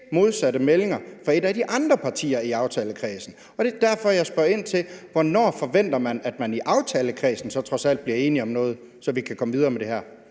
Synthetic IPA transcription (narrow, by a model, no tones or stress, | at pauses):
mo̝ð̞ˠsæɾəmele̝ŋɐfɒ̽e̝d̥æd̥iʔɑ̈nd̥ʁɐpʰɑ̈t͡sʰḭːɐiɑ̈ʊt͡sʰɛːləkʰʁɛːsn̩ | ɒ̽d̥e̝d̥æɐfɒ̽jɑ̈ɪsb̥ɶɐe̝n̰t͡sʰe̝lʋɒnɒ̰ːfɒ̽ʋen̰d̥ɐmænæd̥mæniʔɑ̈ʊt͡sʰɛːləkʰʁɛːsn̩sɒ̽t͡sʰʁɒ̽sæl̰d̥̚b̥liɐe̝ːniɒ̽mnɔ̽ːð̞̩ˠ | sɒ̽ʋikʰækʰɒ̽məʋið̞ˠɐːmed̥e̝hæɐ̰